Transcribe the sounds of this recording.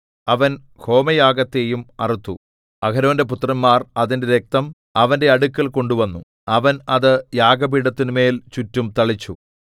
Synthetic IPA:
ɐʋɐn | kʰo̞ːmɐjaːɡɐt̪ːe̞ːjumɐ̰rit̪ːu | ɐkʰɐɾɐʋinde̞put̪rɐnmaːrɐðinde̞ɾe̞k̚t̪ɐm | ɐʋɐnde̞ɐɽukːɐlko̞ɳɖuʋɐnːu | ɐʋɐnɐðɨjaːɡɐbiɽɐt̪ːinume̞ːlt͡ɕutːumt̪ɐɭit͡ɕːu

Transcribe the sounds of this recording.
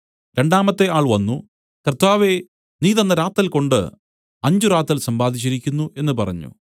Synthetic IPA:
ɾe̞ɳɖaːmɐt̪ːe̞aːɭʋɐnːu | kɐrt̪ːaːʋe | niːðɐnːɐɾaːt̪ːɐlko̞ɳɖɨ̰ | ɐɲd͡ʑuɾaːt̪ːrɐlsɐmbaːd̪ʱit͡ɕːiɾikʲːunːue̞nːɨpɐrɐ̰ɲːṵ

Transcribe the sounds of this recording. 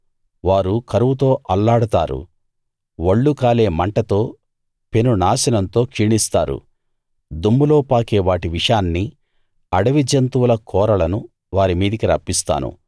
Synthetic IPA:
ʋaːɾukɐɾuʋut̪o̞ːʔɐlːaːɽut̪a̰ːɾṵ | ʋɐɭːukaːle̞ːmɐɳʈɐt̪o̞ː | pe̞nunaːsɐnɐnt̪o̞ːkʂiɳist̪a̰ːɾṵ | d̪umːuloːpaːkeːʋaːʈiʋiʂaːnːi | ɐɽɐʋid͡ʒɐnt̪uʋulɐkʰɔːɾɐlɐnu | ʋaːɾimiːd̪ikiɾɐpːist̪a̰ːnṵ

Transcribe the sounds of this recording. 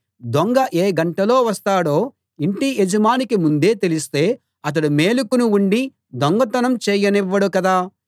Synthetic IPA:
d̪oŋɡɐʔeːɡɐɳʈɐlo̞ːʋɐst̪aːɽoː | iɳʈied͡ʒɐmaːnikimund̪e̞ːt̪elist̪e̞ː | ɐt̪̬ɐɽumeːlukunuuɳɖi | d̪oŋɡɐt̪ɐnɐmt͡ʃɛːjɐnɛʋːɐɽukɐd̪aː

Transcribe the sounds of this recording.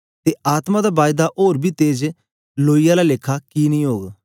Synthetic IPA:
t̪eːaːt̪mãd̪aːbaːjd̪aʔoːɾbʱiːt̪eːd͡ʒ | loːijalaːlɪkʰːakiːnĩːɦoːɡ

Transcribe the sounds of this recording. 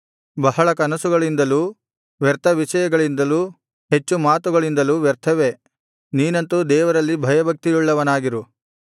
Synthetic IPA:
bɐɦɐɭɐkɐnɐsuɡɐɭind̪ɐlu | ʋɛɾt̪ʰɐʋiʂɐjɐɡɐɭind̪ɐlu | ɦe̞t͡ʃːumaːt̪uɡɐɭind̪ɐluʋɛɾt̪ʰɐʋe | niːnɐnt̪ud̪ɛːʋɐɾɐlːibʱɐjɐbʱɐk̚t̪ijuɭːɐʋɐnaːɡiɾu

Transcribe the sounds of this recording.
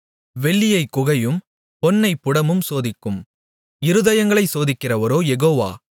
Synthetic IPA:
ʋɛɭːɪjɐɪkːʊɣɐjɯm | pɔnːɐɪpːʊɽɐmɯmsoːðɪkːɯm | ɪɾɯðɐjɐŋɡɐɭɐɪsoːðɪkːɪrɐʋɐɾoːjɛɣoːʋa̰ː

